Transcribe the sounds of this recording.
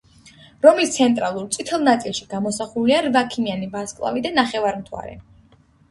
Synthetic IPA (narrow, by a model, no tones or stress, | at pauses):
ɾɔmist̪sʰɛnt̪ʼɾa̰lˠuɾt̪sʼit̪ʰɛlˠnat̪sʼilˠʃiɡamɔsaχuliaɾvakʰimianivaskʼlˠa̰vid̪anaχɛvaɾmt̪ʰwa̰ɾɛ̰